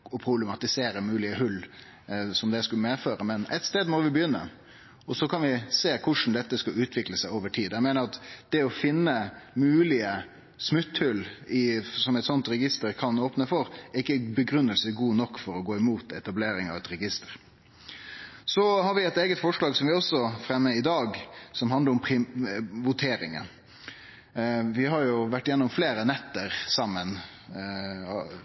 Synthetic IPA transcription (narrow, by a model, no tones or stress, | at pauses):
ɔpʰɾʊbləmɑt̪ɪseːɾəmʉːlɪəhʉl | sɔmd̪ɛskʉləmeːføːɾəmɛnɛt̪st̪eːd̪mɔʋɪbəjʏnːə̰ | ɔsɔkʰɑnʋɪseːkʰʊʂn̩d̪ɛt̪ːəskɑʉːt̪ʰʋɪkləsæɪoːʋəʈʰiːd̪æɪmæːnəɾɑt̪d̪̥ɛɔfɪnːəmʉːlɪə | smʉt̪hʉlɪsɔmɛɪt̪sɔnt̪ɾɛɡɪst̪əɾkʰɑnoːpnəfɔɾɪkːəbəɡɾʉnːəlsəɡuːnɔkːfɔɾɔɡoːɪmuːt̪ɛt̪ɑbleːɾɪŋɑ̰ʋɛt̪ɾɛɡɪst̪əɾ | sɔhɑɾʋɪɛt̪eːɡət̪fɔʂɭɑːɡsɔmʋɪɔsɔfɾɛmːəɪd̪ɑːɡsɔmɦɑnd̪əɾɔmpʰɾɪʋʊt̪ʰeːɾɪ̰ŋə̰n | ʋɪɦɑɾjʊʋæʈːɪjɛnːʊmfleːɾənɛt̪ːəɾsɑmːən